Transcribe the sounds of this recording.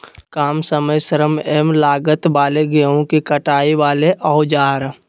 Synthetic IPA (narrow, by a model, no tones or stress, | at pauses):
kaːmsəməjsəɾəmɛmlaːɡət̪baːleɡeõkikəʈaːiʋaːleʔɔːd͡ʒaːɾ